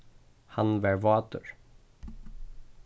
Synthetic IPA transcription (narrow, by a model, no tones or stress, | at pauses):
hanvæɾvɑːt̪ə̰ɾ